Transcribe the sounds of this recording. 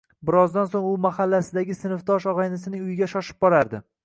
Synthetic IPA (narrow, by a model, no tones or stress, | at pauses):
bɪɾɒzd̪ansoŋʊmahalːasɪd̪aɡʲɪsɪnɪft̪ɒʃɒʁɑjnɪsɪnɪŋʊjɪɡʲaʃɒʃɪ̥p̚bɒɾaɾd̪ɪ